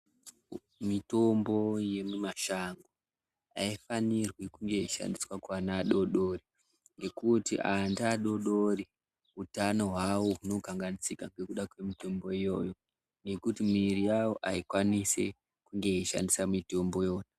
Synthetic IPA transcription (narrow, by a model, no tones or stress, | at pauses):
mito̞mbo̞je̞mumaʃaŋɡo | a̰ifanirwikuŋɡe̞iʃa̰ndiswakwanaːɗo̞ɗo̞ri | ŋɡe̞kutiʔandaːɗo̞ɗoɾi | utano̞ɦwawoɦuno̞kaŋɡanisikaŋɡe̞kuɗakwe̞mito̞mbo̞ijo̞jo̞ | ŋɡe̞kutimirijawo̞ʔaikwanise̞̰ | kuŋɡe̞iʃa̰ndisamito̞mbo̞jo̞ːna